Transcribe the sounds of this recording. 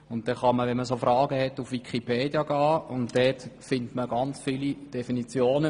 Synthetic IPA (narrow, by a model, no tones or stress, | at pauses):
ʊnt̚d̥ɛχɑməʋɛnməsofɾɑːɡəhɛtufʋikʰipʰeːdjəɡɑːʊntd̥ɛtfɪntməɡɑnt͡sfiːlid̥ɛfinit͡sjoːnə